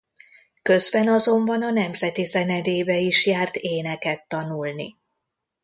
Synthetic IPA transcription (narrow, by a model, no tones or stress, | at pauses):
kø̞zbɛnɒzo̞mbɒnɒnɛmzɛt̪izɛnɛd̪eːbɛiʃjaːrt̪eːnɛkɛt̪ːɒnulnḭ